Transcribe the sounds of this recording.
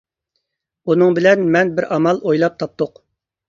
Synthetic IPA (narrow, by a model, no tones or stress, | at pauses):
unɨŋbɪlɛnmɛnbɪɾʔɑmɑlˠojlˠɑp̚t̪ʰɑp̚t̪ʊq